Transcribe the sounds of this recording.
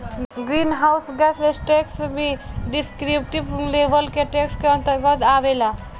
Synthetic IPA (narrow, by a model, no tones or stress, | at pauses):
ɡɾinɦawsɡɛsesʈeksbʱiɖiskɾipʈibleʋəlkeʈekskeə̃nt̪əɾɡət̪aʋela